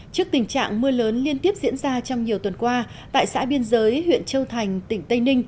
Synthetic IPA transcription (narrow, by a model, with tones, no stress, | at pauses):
t͡ɕɨ˦˥ək̚t̪ï˨˩ŋ̟t͡ɕa̰ː˧˨ŋmɨ˧ələː˨˦nli˧ənt̪i˦˥əp̚zḭ˧˥ənzaː˧t͡ɕɔ˧wŋ͡mɲi˨˩əwt̪wə˨˩nkwaː˧ | t̪a̰ː˧˨jsa̰ː˧˥ɓi˧ənzəː˨˦jhwḭ˧˨ənt͡ɕə˧wt̪ʰa˨˩jŋ̟t̪ï˧˩ŋ̟t̪ə˧jnï˧ŋ̟